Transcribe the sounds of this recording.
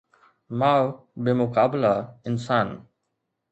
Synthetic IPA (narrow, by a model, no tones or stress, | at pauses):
maw | bemʊkaːblaɪnsaːn